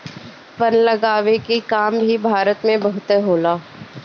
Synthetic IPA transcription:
pənlɐɡaːʋekikaːmbʱibʱaːɾət̪mẽbɐɦʊt̪eɦoːlaː

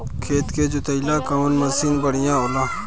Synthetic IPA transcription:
kʰeːt̪ked͡ʒʊt̪ɐilakɐnmɐsinbɐɽijãːolãː

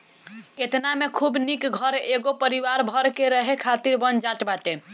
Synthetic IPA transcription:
et̪namekʰubnikɡʱəɾeɡopəɾiʋaɾbʱəɾkeɾəɦekʰat̪iɾbənd͡ʒaʈbat̪e

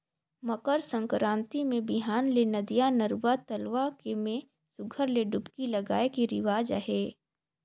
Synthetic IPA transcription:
məkəɾsə̃ŋkɾãːnt̪imẽbɪɦaːnlenɐd̪ijanəɾwat̪ɐlʋakemẽ | sʊɡʱəɾleɖʊpkilɐɡaːekiɾɪʋaːd͡ʒa̰ɦeː

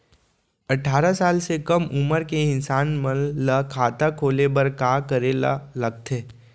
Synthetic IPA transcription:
ɐʈʰːaːɾasaːlsekəmʊməɾkeɪ̃nsaːnmənːəkʰaːt̪akʰoːlebəɾkaːkəɾela̰ləɡ̚t̪ʰeː

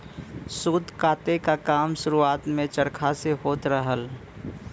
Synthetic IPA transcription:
suːd̪ʱkaːt̪ekakaːmʃʊɾuaːt̪mẽt͡ʃəɾkʰaseɦoːt̪ɾəɦəl

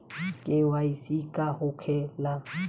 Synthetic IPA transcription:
kʼɪwaisikʼahʊkʰɛla

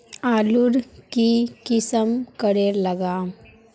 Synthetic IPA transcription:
aluɾkikisəmkəɽeɾləɡa

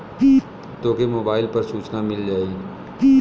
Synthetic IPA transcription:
i | t̪oːkemoːbaːɪlpɐɾsuːt͡ʃnamɪld͡ʒaːi

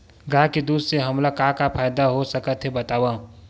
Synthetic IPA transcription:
ɡakid̪ud̪seɦəmlakakapʰajd̪aɦosəkət̪ɦebət̪awã

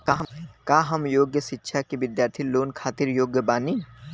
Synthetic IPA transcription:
kːkaːɦəmjoːɡjəʃɪtːʃʰakiʋɪd̪jaːɾt̪ʰiloːnkʰaːt̪ɪɾjoːɡjəbaːniː

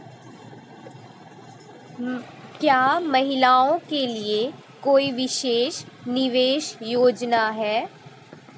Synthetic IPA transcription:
kjaːmɐɦɪlaːõkelie | koːiʋɪʃeːʃ | nɪʋeːʃjoːd͡ʒnaɦɛː

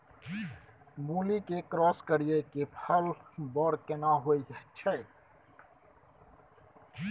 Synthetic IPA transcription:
muːlikekɾɔːskəɾijekepʰəlbɔːɽkenaɦoiəʃʰə

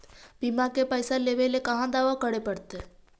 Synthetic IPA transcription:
bimakepəjsaleːʋelekɐɦãd̪aːʋakəɽepəɽt̪e

